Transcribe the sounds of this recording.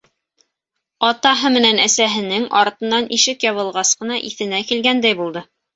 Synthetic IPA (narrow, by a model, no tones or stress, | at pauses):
ɑt̪ɑɦɤmɘ̆nænæsæɦɘ̆nɘŋɑɾt̪ɤ̆nːɑnʔiʃɘkjɑβɤ̆lˠʁɑsqɤ̆nɑʔiθɘ̆nækilɡænd̪æjbulˠd̪ɤ